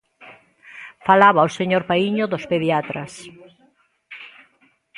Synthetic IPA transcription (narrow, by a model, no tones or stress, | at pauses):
falaβaoseɲoɾpaiɲoðospeðiat̪ɾɐs